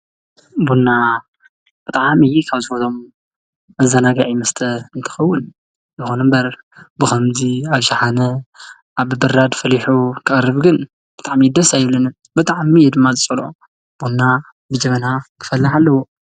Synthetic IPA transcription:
bonːa | b̥ɨt̪ʼaʕmɨjɛkʰaβzɨfot̪ʰom | ɐzanaɡaʕimɐst̪ʰɐɨnt̪ʰɐ̥xɐwːʊn | bɨxonmbɐɾ | bɨxɐmziaβʃaħanɐ | ʔaβbɨɾad̪fɐliħukʰɨʔʼrɨβɡɨn | b̥ɨt̪ʼaʕmid̪ɐsajɪβlɐnɨ | bɨt̪ʼaʕmijɛd̪ɨmːazɨt͡sʼɐlʔo̰ | b̥unːa | bɨd͡ʒɐmɐnakʰɨ̥fɐlːaħalːɐwu

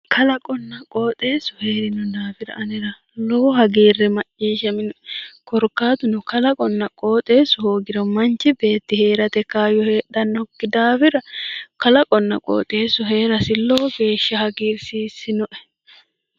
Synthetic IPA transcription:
kʰɐlɐkʼɔnːɐkʼoːt̪ʼe̞ːsʊhe̞ːɾɪnʊd̪aːfɪɾɐ̰ɐnɪɾɐ | loːhɐɡiːrːɛmɐt͡ʃːiːʃɛmɪnʊɛkɔɾkːaːt̪ʊnʊkɐlɐkʼɔnːɐkʼoːt̪ʼe̞ːsʊhoːɡɪɾɔmɐnt͡ʃːɪbe̞ːt̪ːɪhe̞ːɾɐt̪ɛkaːjɔheːᶑɐnːɔkːɪd̪aːfɪɾɐkɐlɐkʼɔnːɐ̰kʼo̰ːt̪ʼe̞ːsʊɦe̞ːɾɐsɪloːɡe̞ːʃːɐhɐɡiːɾsiːsɪnɔʔɛ̥

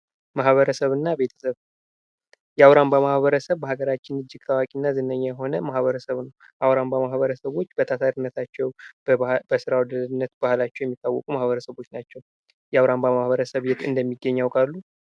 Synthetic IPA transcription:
maɦhβəɾəsəβɨnːabe̞t̪ʰə̥səβ | jɛawɾambamahβəɾəsəβbəhaɡəɾat͡ʃːɪnɨd͡ʒːɪɡ̥̚t̪ʰawakʼinːazɨnːəɲːajɛɦo̞nəmahβəɾəsəβnəw | ʔawɾambamahβəɾəsəβo̞t͡ʃːbət̪ʰat̪ʰaɾinːət̪ʰat͡ʃːɛw | b̥əsɨɾawd̪əlɨnːət̪b̥ahlat͡ʃːɛwjɛmːit̪ʼːawːɔkʼumahβəɾəsəβo̞t͡ʃːnat͡ʃːɛw | jawɾambamahβəɾəsəβjɛt̪ʼɨnd̪əmːiɡːəɲːawkʼalːu

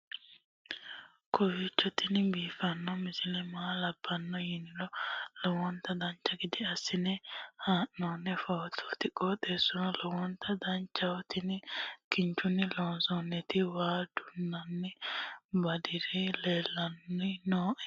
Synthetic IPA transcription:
kʰɔwit͡ʃːɔt̪ɪnɪbiːfɐnːɔmɪsɪlɛmaːlɐb̥ːɐnːɔjɪnɪlɔlɔwɔnt̪ɐd̪ɐnt͡ʃːɐɡɪd̪ɪɐsːɪnɛhaːʔːoːnːɛfɐwt̪ʰɔ̥t̪ɪkʼːɔːt̪eːsːɔnɔlɔwɔnt̪ʰɐd̪ɐnt͡ʃːɐwɔt̪ɪnɪkɪnt͡ʃːʊnːɪloːnsɔnːɛt̪ɪwaːd̪ʊnːɐnːɛbɐd̪ɪɾɛleːlːɐnɪnoːʔɛ

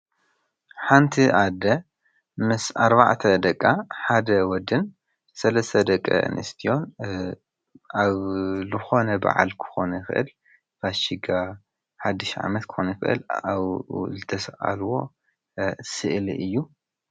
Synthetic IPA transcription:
ħant̪ʰiʔad̪ɐ | mɨsaɾba̰ʕt̪ʰɐd̪ɐkʼːaħad̪ɐwɔd̪ɨn | sɐlɐst̪ʰɐd̪ɐkʼːɐ̰ɨ̰nʔɨst̪ʰijo̞n | aβzɨxo̞nɐba̰ʕa̰lkʰɨ̥xo̞nɐjxɨ̰ʔɨ̰l | baʃiɡa | ħad̪ːiʃʕa̰mɐt̪̚kʰɨ̥xonɐjɪxɨʔɨ̰laβzɨt̪ʰɐsʔʼa̰lwo̞ | sɨʔliʔɨjːu

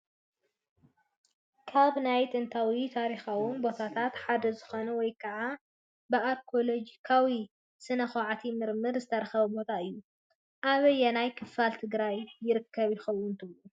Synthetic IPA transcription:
kʰaβnajt̪ʼɨnt̪ʰawit̪ʰaɾixawʊnbo̞t̪ʰat̪ʰat̪ħad̪ɐzɨxo̞nɐwɔjkʰɐʕa | bɨalkʰo̞lod͡ʒikʰawi | sɨnɐxoʕat̪ʰimɨɾmɨɾzɨt̪ʰɐɾɐxɐβɐbo̞t̪ʰaɨjːu | ʔaβɨjɛnajkʰɨfalt̪ʰɨɡɾajːɪɾɨkʰːɐβjɪxɐwːʊnt̪ʰɨβlu

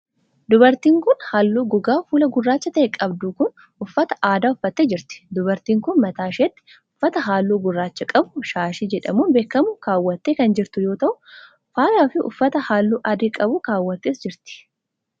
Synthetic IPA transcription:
d̪ʊbɐɾt̪iːŋkʊnhaːlːuːɡʊɡaːfuːlɐɡʊrːaːt͡ʃːɐt̪ɐʔekʼɐbd̪uːkʊn | ʊfːɐt̪ɐ̥ʔaːd̪aːʊfːɐt̪ːeːd͡ʒɪɾt̪ɪ̥d̪ʊbɐɾt̪iːŋkʊnmɐt̪aːʃeːt̪ːɪ̥ | ʊfːɐt̪ɐɦaːlːuːɡʊrːaːt͡ʃːɐkʼɐbʊʃaːʃid͡ʒɛᶑɐmuːnbeːkːɐmʊkaːwːɐt̪ːeːkɐnd͡ʒɪɾt̪ʊjo̞ːt̪ɐʔʊ | faːlaːfɪʔʊ̰fːɐt̪ɐhaːlːuːʔɐd̪ɪːkʼɐbʊkaːwːɐt̪ːeːsd͡ʒɪɾt̪ɪ̥

